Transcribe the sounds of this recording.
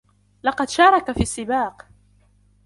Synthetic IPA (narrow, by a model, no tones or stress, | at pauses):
lɑqɑd̪ʃɑːɾˤɑkafiːsːɪbaːq